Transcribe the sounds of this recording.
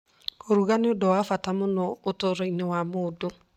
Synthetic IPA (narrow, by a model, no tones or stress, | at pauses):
koɾuɣaneodɔwafatamonɔotoɾɔinewamoːdo